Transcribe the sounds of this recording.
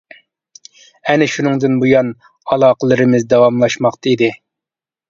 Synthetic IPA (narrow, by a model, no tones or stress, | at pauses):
ɛnɪʃunɨŋd̪ɨnbujɑn | ɑlˠɑːqəlˠɨɾɨmɪzd̪ɑwɑmlˠɑʃmɑqt̪id̪ɪ